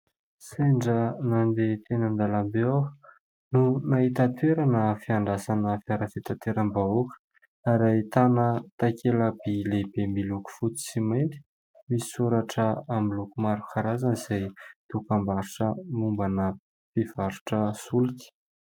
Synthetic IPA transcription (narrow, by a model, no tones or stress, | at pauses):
seɳɖ͡ʐənand̪et̪enənd̪alambea | nunaɦit̪at̪weɾanəfiaɳɖ͡ʐasanəfiaɾəfit̪at̪eɾambaokə̥ | aɾait̪anət̪akʰeləbilebembiluku̥fut͡s̪i̥simajnt̪i̥ | misi̥suɾaʈ͡ʂəamilukumaɾukʰaɾazaniz̥ajt̪ukambaɾuʈ͡ʂəmumbanə | piv̥aɾu̥ʈ͡ʂəsulik̪i̥